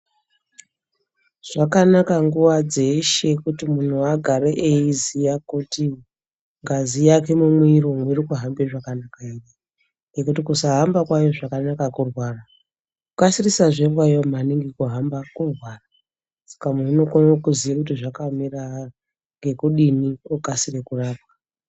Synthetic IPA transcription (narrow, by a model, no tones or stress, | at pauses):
ʐ̥akanakaŋɡuʋad͡ze̞ʃe̞kutimun̤uaɡʱaɾeʔeizijakuti | ŋɡazijake̞mumwiɾomwiɾokuɦambeʐakanakairi | ŋɡe̞kutikusaɦambakwajoʐakanakakurwaːra | kukasirisaʐeŋɡwajom̤aniŋɡekuɦambakurwaːra | sḁkamunokonokuziʋakutiʐakamira | ŋɡe̞kuɗiniokasirekuraːp̚wa